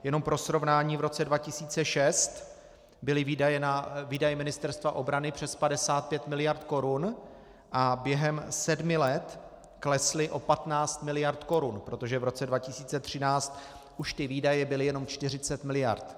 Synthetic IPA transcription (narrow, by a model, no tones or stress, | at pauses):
jɛno̞mpɾo̞sɾo̞vnaːɲiːvɾo̞t͡sɛdvacɪsiːt͡sɛʃɛst̪ | bɪlɪviajɛnaviːdajɛmɪnɪst̪ɛɾst̪vaʔo̞bɾanɪpr̝̥ɛspadɛsaːt̪̚pjɛt̪mɪlɪjaɾt̪ko̞ɾun | ʔabjɛɦɛmsɛdmɪlɛt̪ | klɛslɪʔo̞pat̪naːt͡st̪mɪlɪjaɾt̪ko̞ɾunpɾo̞t̪o̞ʒɛvɾo̞t͡sɛdvacɪsiːt͡sɛt̪r̝̥ɪnaːt͡st̪ | ʔuʃt̪ɪviːdajɛbɪlɪjɛno̞mt͡ʃt̪ɪr̝ɪt͡sɛt̪mɪlɪja̰ɾt̪